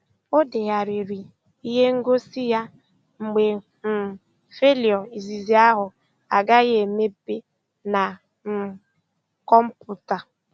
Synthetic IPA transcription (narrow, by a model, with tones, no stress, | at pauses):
o˦de˨ɣa˨ɾi˨ɾi˨ | i˦ɦe˦ŋ̩˦ɡo˦si˦ja˦ | ŋ͡m̩˨ɡ͡be˨ | m̩˨ | fe˦li˨ɔ˨i˨zi˨zi˨a˦ɦʊ˨ | a˨ɡa˦ɣe˨me˦pe˦ | na˨ | m̩˨ | kɔ˦m̩˦pu˦ta˨